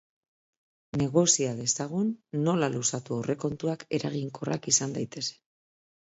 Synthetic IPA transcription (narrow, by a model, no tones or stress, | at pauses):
ne̞ɣo̞siaðe̞saɣ̞unːo̞lalusat̪uore̞ko̞nt̪uake̞ɾaɣ̞iŋko̞ra̰kisand̪ajt̪e̞se̥